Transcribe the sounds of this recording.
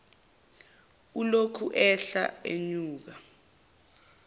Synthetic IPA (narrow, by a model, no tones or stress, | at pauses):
ulokʰuʔɛɬa̰ḛɲuːk̬a